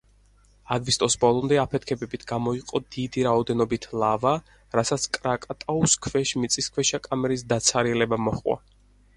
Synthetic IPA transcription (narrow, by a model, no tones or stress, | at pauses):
aɡ̪vist̪ʼɔsbɔlˠɔmd̪ɛapʰɛt̪ʰkʰɛbɛbit̪ʰɡ̥amɔiqʼɔd̪id̪iɾaɔd̪ɛnɔbit̪ʰlˠava | ɾasat̪sʰkʼɾakʼat̪ʼauskʰvɛʃmit̪sʼiskʰvɛʃakʼamɛɾis̬d̪at̪sʰaɾiɛlɛbamɔχwa̰